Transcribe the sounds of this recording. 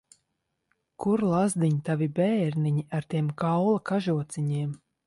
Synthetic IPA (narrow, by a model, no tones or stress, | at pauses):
kuɾlˠazd̪iɲit̪avibʲɛːɾniɲiʔaɾt̪iɛmkawlˠakaʒuɔt̪sʲiɲiɛm